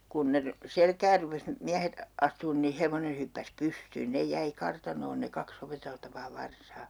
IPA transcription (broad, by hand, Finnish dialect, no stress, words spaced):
kun ne ry selkæːr rupes miæhet ɑstuːn ni heʋone hypːæs pystyːn nej jæi kɑrtɑnoːn ne kɑks opeteltɑʋɑː ʋɑrsɑː